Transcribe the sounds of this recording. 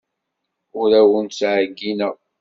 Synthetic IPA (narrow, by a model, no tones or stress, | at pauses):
ʊɾæwənsʕəɡːinə